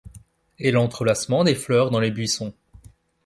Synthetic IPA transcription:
ɛlɑ̃t̪χəlasmɑ̃d̪eflœʁd̪ɑ̃lebɥisɔ̃

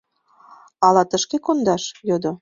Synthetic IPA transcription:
ɑlɑt̪əʃkekond̪ɑʃjod̪o

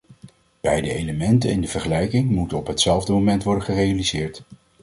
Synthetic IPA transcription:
b̥ɛjdəejləmɛntə̰nɪndəv̥əɹχəlɛjkɪŋmutənɔpɦətsɛlˠvdəmomɛntʋɔɹdəχərejalizɪːɹt

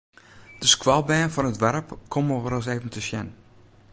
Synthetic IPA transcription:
d̥əskwɔlˠbɛːnfɔnətʋɛrəpkʰomowərəs̬eːvəntʰəsjɛn

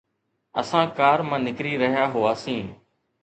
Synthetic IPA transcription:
ə̰sãːkaːɾmãːnɪkɾiːɾəɦjaːɦʊaːsĩː

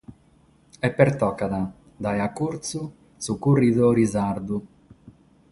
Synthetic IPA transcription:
ɛpːɛɾt̪ɔːkaða | d̪ajakːuɾt̪su | sukurːiðɔɾizaɾd̪u

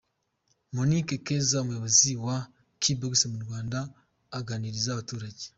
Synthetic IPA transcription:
monikekezaomujoβoziwa | kʰiboɡsemuɾɡwaːndaː | ɡaːniɾizaːβatuːɾaɟe

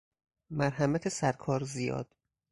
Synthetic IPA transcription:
mæɾɦæmæt̪ʰesæɾkʰɒːɾzijɒ̰ːd̪̥

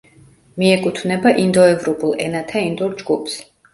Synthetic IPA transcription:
miɛkʼut̪ʰvnɛbaʔind̪ɔɛvɾɔpʼulˠɛ̰nat̪ʰaind̪ɔɾd͡ʒɡupʰs

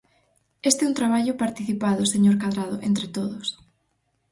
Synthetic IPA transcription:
est̪eɛunt̪ɾaβ̞aʎʊpaɾt̪iθipaðʊseɲoɾkaðɾaðʊʔent̪ɾet̪oðʊs

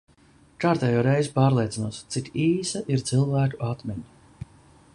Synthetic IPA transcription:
kaːɾt̪ɛːjoːɾɛjzupaːɾlʲˠeɛt̪zinuːst̪sikiːsaʔiɾt̪zilˠvæːkuat̪mʲiɲ

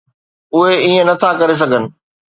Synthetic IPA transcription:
ʊɦeiːẽnɐt̪ʰakɐɾes̬ɐɡʱənɪ̆

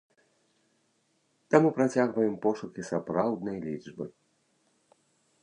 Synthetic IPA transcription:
t̪amupɾat͡sʲaɣvɐjɛmpɔʂukʲisapɾawd̪nɐjlʲid͡ʐbɨ

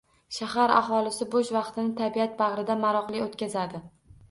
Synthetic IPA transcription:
ʃahaɾa̰χɒlˠɪsɪboʃvɑqt̪ɪnɪt̪ʰabiat̪̚bɑʁɾɪd̪amaɾɒqlˠɪot̪kʲazad̪ɪ

